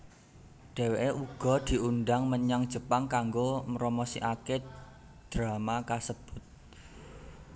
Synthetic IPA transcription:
ɖ̥ɛ̤weʔeʔuɡ̥ɔ̤d̪̥i̤unɖaŋməɲaŋd̥ʒ̥ə̤paŋkaŋɡomɾomosḭʔake | d̪̥ɾamakasəb̥ʊt̪̚

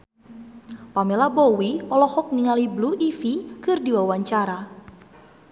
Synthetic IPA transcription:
pamelabɔwiɔlɔhɔk̚niŋalibluʔifikɨrdiwawaɲt͡ʃaɾa

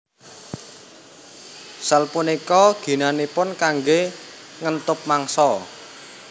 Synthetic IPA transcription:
səlpunikɔɡ̥i̤nanepʊnkaŋɡe | ŋənt̪ʊp̚maŋsɔ

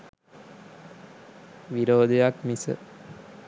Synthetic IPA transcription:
ʋiɾoːd̪ejakmisə̰

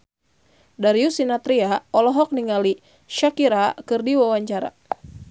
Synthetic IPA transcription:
daɾjusinat̪ɾiaɔlɔɦɔk̚niŋali | ʃakiɾakɨrdiwawaɲt͡ʃaɾa̰

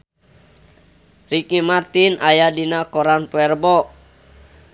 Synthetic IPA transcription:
rikimart̪inʔajadinakɔɾanpɛrbɔ

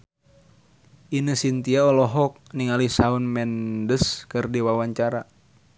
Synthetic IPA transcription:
ʔinəsint̪iaɔlɔɦɔk̚niŋalisaunmɛndəskɨrdiwawaɲt͡ʃaɾa

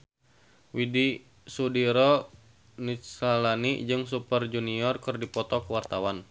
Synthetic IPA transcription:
widi | sudiɾɔ | nisalanid͡ʒɨŋs̬upərd͡ʒuniɔrkɨrdipɔt̪ɔkəwart̪awan

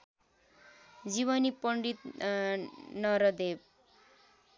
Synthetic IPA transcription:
d͡ziβʌnipʌɳɖit̪ | nʌɾʌd̪eb̚

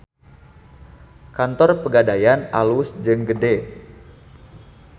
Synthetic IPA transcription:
kant̪ɔrpəɡadajana̰lusd͡ʒɨŋɡəde

